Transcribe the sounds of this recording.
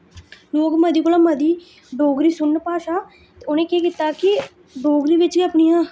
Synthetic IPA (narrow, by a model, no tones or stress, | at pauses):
nũːɡməd̪iːkoːlaːməd̪iː | ɖoːɡɾiːsʊnːpaːʃaː | t̪eːoːnẽːkeːkɪt̪aːkɪ | ɖoːɡɾiːʋɪt͡ʃkapɳijãː